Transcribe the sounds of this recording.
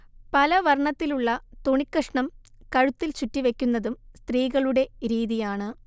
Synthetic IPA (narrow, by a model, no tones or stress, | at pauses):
pɐlɐʋɐrɳɐt̪ːiluɭːɐt̪oɳikːɐʂɳɐm | kɐɻut̪ːilt͡ɕutːiʋe̞kʲːunːɐðumst̪riːɣɐɭuɽe̞ɾiːðijaːɳɨ